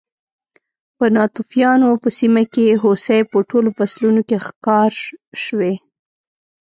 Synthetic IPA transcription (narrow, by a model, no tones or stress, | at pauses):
pənɑt̪ufjɑnopəsimakeɦosejpəʈolofaslunokexkɑɾʃwe